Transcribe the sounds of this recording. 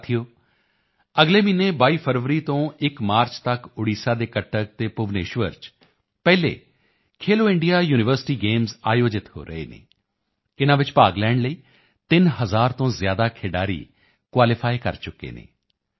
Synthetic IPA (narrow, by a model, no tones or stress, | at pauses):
t̪ʰijoː | əɡleːmiːneːbaːiːpʰəɾʋəɾiːt̪õːɪkmaːɾt͡ʃt̪əkʊɽiːsaːd̪eːkəʈːək̚t̪eːpʊʋneːʃʋəɾt͡ʃ | pɛːlḛː | kʰeːloːɪɳɖijaːjuːnɪʋəɾsɪ̥ʈiːɡeːmzaːjoːd͡ʒɪt̪ɦo̰ːɾə̰ḛːnḛː | ɪnãːʋɪt͡ʃpaːɡlɛːɳɖləiː | t̪ɪnɦəzaːɾt̪õːzjaːd̪aːkʰɪɖaːɾḭː | kwaːlɪpʰaːikə̰ɾt͡ʃʊkːḛːnḛː